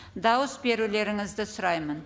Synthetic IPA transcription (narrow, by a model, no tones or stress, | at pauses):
d̪ɑwəsbe̞ɾule̞ɾɪŋɪzd̪ɪsʊɾɑjmən